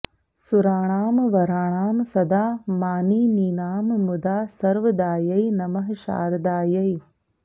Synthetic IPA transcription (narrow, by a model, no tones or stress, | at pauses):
suɾaːɳ̃aːmʋɐɾaːɳaːmsɐd̪aːmaːniːniːnaːmmud̪aːsɐɾʋɐd̪aːjɐjnɐmɐɦʃa̰ːɾd̪aːjɐj